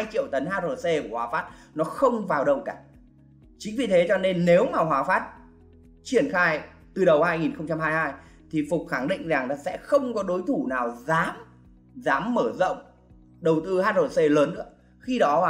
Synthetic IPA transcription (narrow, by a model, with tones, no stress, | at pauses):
a˧jt͡ɕḭ˧˨əwt̪ə˨˦nhaː˧t̚zo˨˩se˧ku˧˩hwaː˨˦faː˦˥t̚ | nɔ˨˦xə˧wŋ͡mvaː˨˩wɗə˨˩wkaː˧˩ | t͡ɕï˨˦ŋ̟vi˨˩t̪ʰe˨˦t͡ɕɔ˧ne˧nːe˨˦wmaː˨˩ɦwaː˨˦faː˦˥t̚ | t͡ɕi˧˩ənxaː˧j | t̪ɨ˨˩ɗə˨˩whaː˧jŋi˨˩nxə˧wŋ͡mt͡ɕa˧mhaː˧jhaː˧j | t̪ʰi˨˩fʊ˨˩k͡p̚xa˧˩ŋɗḭ˧˨ŋza˨˩ŋnɔ˨˦sɛ̰˧˥xə˧wŋ͡mkɔ˨˦ɗo˨˦jt̪ʰu˧˩naː˨˩wzaː˨˦m | zaː˨˦mːəː˧˩zə̰˧˨wŋ͡m | ɗə˨˩wt̪ɨ˧haː˧t̚zo˨˩se˧ləː˨˦nːɨ̰˧˥ə | xi˧ɗɔ˨˦˨